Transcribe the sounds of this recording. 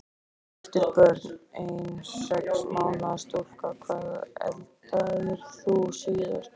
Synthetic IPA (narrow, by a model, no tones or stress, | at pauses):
ɛft̪ʏɾpœɾt̪nejnsɛkmaːwnast̪ol̥kakʰvaːðɛ̰lt̪aðɪɾ̥θusiðʏ̰ɾ̥